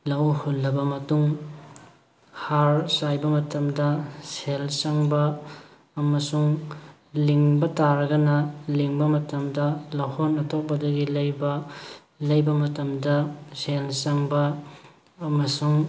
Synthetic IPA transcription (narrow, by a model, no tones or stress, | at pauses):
lɐwhonːɐbɐmɐtuŋ | haɾsajbɐmɐtɐmdɐselsɐŋbɐː | mɐsuŋ | liŋbɐtaɾɐɡɐnɐliŋbɐmɐtɐmdɐlɐwhonɐtʰok̚bɐdɐɡilɐjbɐ | lɐjbɐmɐtɐmdɐselsɐŋbɐ | ɐmɐsuŋ